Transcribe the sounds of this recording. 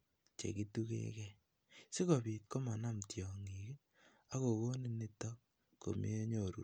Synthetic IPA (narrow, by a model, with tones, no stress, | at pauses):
t͡ʃḛ˨ki˦tu˦kḛ˦kɛ˦ | si˦ko˨pi˨t̚ko˦ma˨na˦mtjɔ˨ŋi˨ki˦ | a˦ko˨ko˦ni˦ni˦tɔ˦ | ko̰˨mḭ˦e˦ɲo˨ɾṵ˨